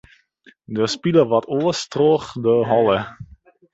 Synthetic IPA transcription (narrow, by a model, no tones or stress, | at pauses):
dəspiləʋɔtolˠəstroːχdəɦɔlˠə